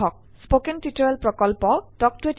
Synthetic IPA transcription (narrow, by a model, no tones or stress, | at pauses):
ɔk̚ | spokentitɔɹɛlpɹɔkɔlpɔtɔk̚twet